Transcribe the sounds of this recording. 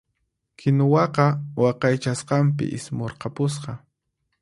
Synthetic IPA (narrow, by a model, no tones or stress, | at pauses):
kʰɪnʊwɑqɑwɑqɑjt͡ʃasqɑmpɪ̰ʔɪsmoɾqɑpʊs̬qɑ